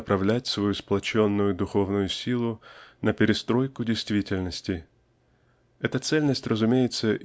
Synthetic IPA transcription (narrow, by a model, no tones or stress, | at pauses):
pɾɐvlʲætʲsvɐjusplˠɐt͡ɕo̞nːʊjʊd̪ʊxo̞vnʊjʊsʲilˠʊnəpʲɪɾʲɪst̪ɾo̞jkʊdʲɪjst̪vʲitʲɪlʲnəsʲtʲɪ | ɛt̪ət̪sɛlʲnəsʲtʲrʔəzʊmʲejɪt̪səʔ